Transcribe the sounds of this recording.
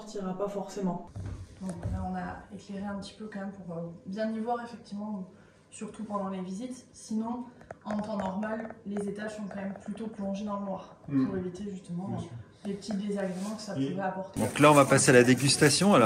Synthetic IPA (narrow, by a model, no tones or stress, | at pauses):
ʁt̪iʁapafɔʁsemɑ̃d̪ɔ̃kvalaɔ̃naekleʁeɛ̃pət̪i̥pøkɑ̃mɛmpuʁøbjɛ̃d̪ivwaʁefɛk̚t̪ivmɑ̃ | syʁt̪upɑ̃d̪ɑ̃levizit̪sinɔ̃ɑ̃t̪ɑ̃nɔʁmalːezet̪aʒsɔ̃kɑ̃mɛmplyt̪oplɔ̃ʒed̪ɑ̃lənwaʁ | puʁevit̪eʒyst̪əmɑ̃ | d̪epət̪ʰid̪ezaɡʁemɑ̃kə̥sapuʁɛapɔʁt̪ed̪ɔ̃klaɔ̃vapasealad̪eɡʲyst̪asjɔ̃alɔ